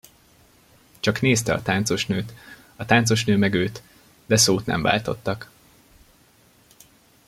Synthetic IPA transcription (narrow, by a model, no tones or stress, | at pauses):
t͡ʃɒkneːst̪ɛɒ̰t̪aːnt̪so̞ʃnøːt̪ | ɒt̪aːnt̪so̞ʃnøːmɛɡøːt̪ | d̪ɛsoːt̪nɛ̰ɱva̰ːlt̪o̞̰t̪ːɒk